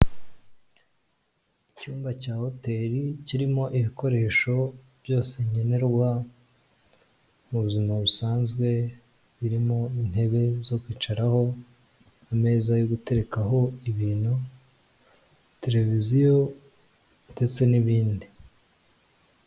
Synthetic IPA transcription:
icuːmbacaːho̞te̞ɾiciɾimo̞ʔiβiko̞ɾe̞ːʃo̞ | β̥jo̞ːse̞ɲe̞ne̞ɾɡwa | muβuzimaβusaːnzɡwe̞ | βiɾimo̞in̥he̞βe̞zo̞kwiːt͡ʃaɾaho̞ | ame̞ːzajoɡute̞ɾe̞kaɦo̞iβiːno | te̞ɾe̞vizijo | te̞t͡se̞niβiːndi

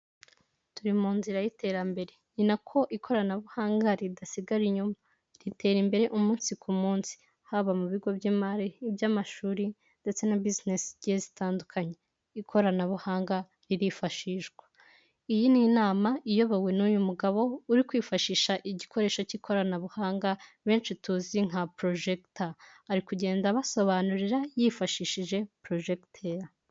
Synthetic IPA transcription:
tuɾimuːnziɾajite̞ːɾambe̞ɾe̞ɲinakʰo̞ʔikʰo̞ɾanaβuhaːŋɡaɾidasiɡaɾiɲuma | ɾite̞ːɾimbe̞ɾe̞ʔumuːnsikumuːnsi̥ | haβamuβiɡo̞bjiːmaɾibjamaʃuːɾi | nde̞t͡se̞nabiznesiɟezitaːndukʰaɲe̞ | ikʰo̞ɾanaβuhaːŋɡa | ɾiɾifaʃiːʒɡwa | ijininaːmaʔijo̞βawe̞nujumuɡaβo̞uɾikwiːfaʃiːʃaʔiɟikʰo̞ɾe̞ːʃocikʰo̞ɾanaβuhaːŋɡaβe̞ːnʃituːziŋ̥apɾo̞ʒektaːɾikuɟe̞ːndaβaso̞βanuɾiɾajifaʃiːʃiʒe̞pɾo̞ʒektʰeɾa

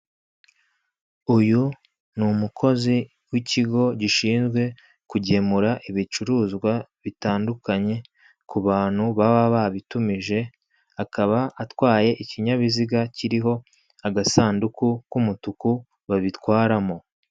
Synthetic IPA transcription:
uju | numukʰo̞zi | wiciɡo̞ɟiʃiːnzɡwe̞ | kuɟe̞muɾaʔiβit͡ʃuɾuːzɡwaβitaːndukaɲe̞ | kuβaːn̥huβaβaβaβitumiʒe̞ | akaβaatwaːje̞ʔiciɲaβiziɡaciɾiɦo̞ | aɡasaːndukukumutuku | βaβitwaːɾamo̞

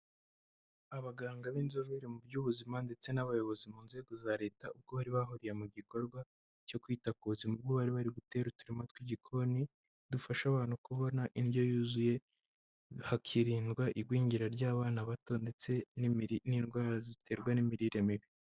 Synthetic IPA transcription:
aβaɡaːŋɡaβinzoβiɾimubjuːβuzimande̞t͡se̞naβajo̞βo̞zimuːnze̞ːɡo̞zaɾe̞ːtaub̚ɡo̞βaɾiβaɦuɾijemuɟiko̞ɾɡwa | co̞kwiːtakuuzimub̚ɡoβaɾiβaɾiɡute̞ɾutuɾimatwiɟikʰo̞ni | dufaʃaβaːnhukuβo̞naʔinɟo̞juːzuje̞ | hakʰiɾiːndɡwaʔiɡwiːɲɟiɾaɾɟaːβaːnaβato̞nde̞t͡se̞niːnɡwaːɾazitʰe̞ːɾɡwanimiɾiɾemiβi

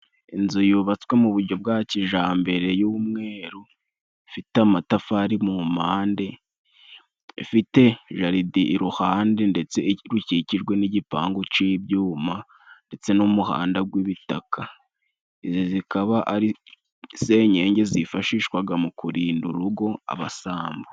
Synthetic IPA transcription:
inzujuβat͡swe̞muβuɾɟo̞b̚ɡaːciʒaːmbe̞ɾe̞juːmŋe̞ːɾu | fitamatafaːɾimumaːnde̞ | fite̞ʒaɾidiʔːɾuhaːndende̞t͡se̞ɾuciciʒɡwe̞niɟipa̰ːŋɡot͡ʃibjuːma | nde̞t͡se̞numuha̰ːndaɡwiβitakʰa | izozikaβaʔaɾi | se̞ɲe̞ːɲɟe̞zifaʃiːʃkwaɡamukuɾiːnduɾuɡo̞a̰βa̰saːmbo

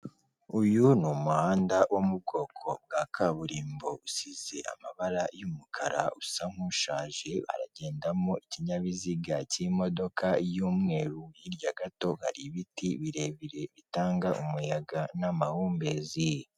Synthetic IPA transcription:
ujunumuhaːndawʔomub̚ɡo̞ːkʰo̞b̚ɡaːkʰaβuɾiːmbo̞usize̞ʔa̰maβaɾajumukʰaɾa̰usaŋ̥uʃaːʒe̞βa̰ɾa̰ɟe̞ːndamoiciɲaβiziɡacimo̞do̞kʰajuːmŋe̞ːɾujiɾjaɡato̞ha̰ɾiβitiβiɾe̞βiɾe̞βitaːŋɡaʔumujaɡanamahuːmbe̞zije

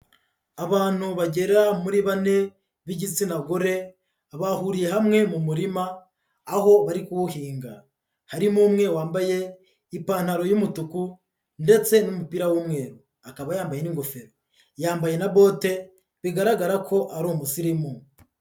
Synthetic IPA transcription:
aβaːn̥huβaɟe̞ɾamuɾiβane̞ | βiɟit͡sinaɡoɾe̞ | aβahuɾije̞ɦamŋe̞mumuɾimaː | ho̞βaɾikuwuhiːŋɡa | haɾimumŋe̞waːmbaje̞ | ipaːn̥haɾo̞jumutuku | nde̞t͡se̞numupiɾawumŋe̞ːɾu | akaβajaːmbaje̞niŋɡo̞feɾo | jaːmbaje̞naβo̞ːte̞ | βiɡaɾaɡaɾakʰo̞ʔaɾoːmusiɾimu

